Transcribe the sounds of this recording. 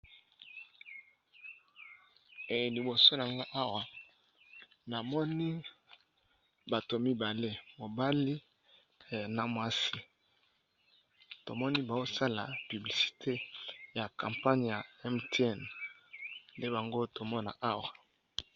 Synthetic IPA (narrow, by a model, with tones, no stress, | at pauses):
e˨je˨li˨bo˨so˦n˨a˨ŋɡa˦ʔa˦wa˨ | na˨mɔ˦ni˦ | ba˨to˨mi˦ba˨le˦mo˨ba˦li˦ | na˨mwa˦si˦ | to˨mɔ˦ni˦ba˨o˦sa˦la̰˨py˨bli˨si̥˨tʰe˦ja˨kã˨mpa˦ɲ˨ja˨ɛ˦mte˦ɛ˦˨n | nde˦ba˨ŋɡo˦to˨mɔ˦na̰˨ʔa˦wa˨